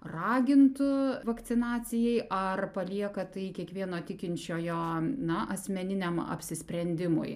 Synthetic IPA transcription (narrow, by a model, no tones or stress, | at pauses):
rɑːɡʲɪnt̪ʊʋɐk̪sʲɪnɑːt͡ssʲɪjɛɪʔɐrpɐlʲiɛkɐt̪ɐɪkʲiɛkʋʲiɛnoːt̪ʲɪkʲɪnʲt͡ʃʲoːjoːnɐʔɐsʲmʲɛnʲɪnʲɛmɐ̰pʲsʲɪsʲpʲɾʲɛnʲd̪ʲɪmʊ̰j